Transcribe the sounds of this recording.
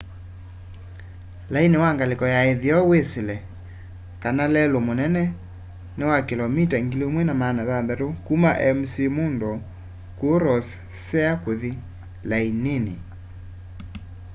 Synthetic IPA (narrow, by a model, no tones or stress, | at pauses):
lainewaŋɡalekɔjaeðiɔweselɛ | kanalɛlomonɛnɛ | newakilɔmitaŋɡilemwɛnamanaðaðɛɾokumaʔɛm̩semondɔ | koːɾɔs | sɛakoði | lainene